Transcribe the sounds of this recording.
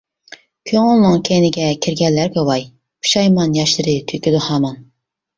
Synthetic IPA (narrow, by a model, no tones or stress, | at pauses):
kʲʰøŋʊlˠnɨŋkʲʰenɪɡʲɛkʲʰiɾɡʲɛlːæɾkʲɛwɑj | pʰu̥ʃɑjmɑnjɑʃlˠɨɾɪt̪ʰykʲyd̪ʊhɑːmɑn